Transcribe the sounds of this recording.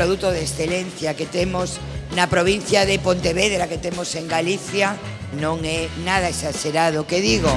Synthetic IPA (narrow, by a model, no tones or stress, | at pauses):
ɾoðut̪oðesθelen̟θjaket̪emos | nɐpɾoβ̞in̟θjaðepont̪eβeðɾaket̪emoseŋɡaliθja | nõŋɛnaðɐesaʃeɾaðokeðiɣo